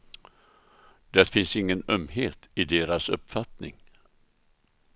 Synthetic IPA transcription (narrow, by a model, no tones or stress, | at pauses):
d̪̥ɛɾfɪnsɪŋːənœmheːt̪ɪd̪eːɾasɵ̰pːfat̪nɪ̰ŋ